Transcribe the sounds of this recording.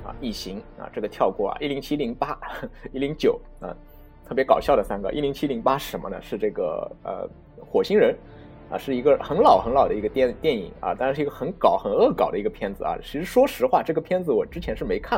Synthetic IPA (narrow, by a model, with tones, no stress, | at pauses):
ɐ̰˧i˥˩ɕi˧˥ŋɐ̰˨˩ʈ͡ʂɤ˥˩ɡə˩t̪ʰjɑ˥˧ʊkwɔ̰˥˩ɐ̰˩ʔi˥˩li˧˥ŋt͡ɕʰi˥li˧˥ŋpa˥i˥˩li˧˥ŋt͡ɕjo˨˩˦ʊ | ɐ̰˧ | t̪ʰɤ˥˩pjɛ˧˥kɑ˨˩ʊɕjɑ˥˩ʊd̪ə˩sa˥nɡə̰˧ʔi˥˩li˧˥ŋt͡ɕʰi˥li˧˥ŋpa˥ʂ̩˥˩ʂə˧˥nmə̰˧nə̰˧ʂɻ̩˥˧ʈ͡ʂɤ˥˩ɡə̰˩ə̰˧ | xwɔ˨˩ɕi˥ŋɻə˧˥n | ɐ̰˧˩ʂɻ̩˥˩i˧˥ɡə˧xə˧˥nlɑ˨˩ʊxə˧˥ŋlɑ˨˩ʊd̪ə˦˧i˧˥ɡə˧t̪ɛ˥˩nt̪jɛ˥˩nḭ˨˩˦ŋɐ̰˧t̪a˥˧ʂɻ̩˥˩˧ɡə˧xə˧˥nkɑ˨˩ʊxə˨˩nɤ˥˩kɑ˨˩ʊd̪ə˦i˧˥ɡə˧pʰjɛ˥nd͡zɹ̩˨˩ɐ̰˧˩t͡ɕʰʂɻ̩˧˥ʂwɔ˥ʂɻ̩˧˥xwa˥˧ʈ͡ʂɤ˥˩ɡə˩pʰjɛ˥nd͡zɹ̩˧˨wɔ˨˩ʈ͡ʂɻ̩˥t͡ɕʰjɛ˧˥nʂɻ̩˥˩me˧˥ɪkʰa˥˩